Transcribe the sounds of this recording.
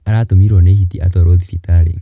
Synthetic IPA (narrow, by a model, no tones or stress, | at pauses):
aɾatumiɾɔnehitiʔa̰t̪ɔɾoðifitaɾḭ